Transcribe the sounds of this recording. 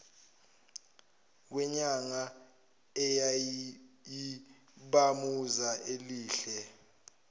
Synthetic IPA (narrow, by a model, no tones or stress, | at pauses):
k̬wɛɲaŋa | ɛja | ji | ɓamuzaʔeliːɬɛ